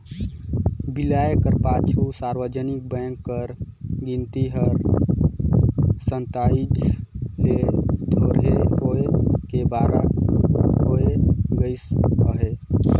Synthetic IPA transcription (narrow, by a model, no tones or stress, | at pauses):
bilaekəɾpat͡ʃʰusaɾʋəd͡ʒənik̚bə̃ŋkːəɾɡint̪iɦəɾ | sənt̪aid͡ʒled̪ʱoɾɦeoekebaɾa̰ | oeɡəɪsəɦe